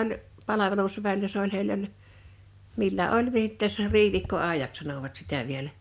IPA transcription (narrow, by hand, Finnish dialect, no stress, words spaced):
olʲ pɑlɑʋelusʋæilːæ se olʲ heilː olʲ milːæ ʔolʲ ʋiːtːɛs riːʋiˑkːoɑˑejɑks sɑnoʋɑt sitæ ʋielæ